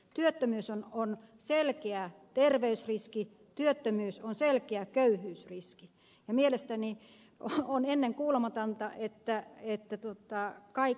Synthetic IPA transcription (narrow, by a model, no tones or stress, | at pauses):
t̪yøt̪ːømyːsononselkeæt̪erʋeysriski | t̪yøt̪ːømyːsonselkeækøyhyːsriski | jɑmielest̪æni | oonenːeŋkuːlemɑt̪ɑnt̪ɑʔet̪ːæet̪ːæt̪uot̪ˑɑkɑi